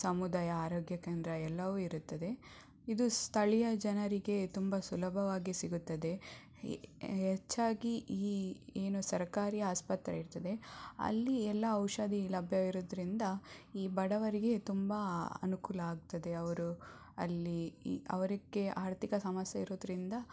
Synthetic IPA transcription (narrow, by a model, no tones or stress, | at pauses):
sɐmud̪aːjɐaːɾoːɡjɐkeːnd̪ɾɐɛlːɐʋuːiɾut̪ːɐd̪e̞ | id̪ust̪ʰɐɭijɐd͡ʒɐnɐɾiɡe̞t̪umbɐsulɐbʱɐʋaːɡisiɡut̪ːɐd̪e̞ | ɦɛt͡ʃːaːɡiʔiːeːnusɐɾkaːɾiːaːspɐt̪ɾɐ̰iɾt̪ɐd̪e̞ɐ̰lːiɛlːɐɐwʃɐd̪ʱilɐbʱjɐiɾoːd̪ɐɾind̪ɐiːbɐɽɐʋɐɾiɡe̞t̪umbɐɐ̰nukuːlɐaːɡ̚t̪ɐd̪e̞ɐʋɐɾu | ɐ̰lːiɐ̰ʋɐɾiɡːe̞aːɾt̪ikɐsɐmɐsjɐiɾoːd̪ɾind̪ɐ